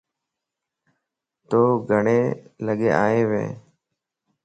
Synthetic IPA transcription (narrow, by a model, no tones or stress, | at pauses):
t̪oːɡʱəɳeːləɠeːʔaːeːʋḛ̃ː